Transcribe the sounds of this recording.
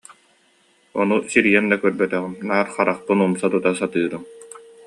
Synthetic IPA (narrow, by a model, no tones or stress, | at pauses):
ɔ̰nusiɾijɛnd̪akœɾbœt̪œʁymnaːɾχaɾaχpɯnumsat̪ut̪asat̪ɯːɾɯm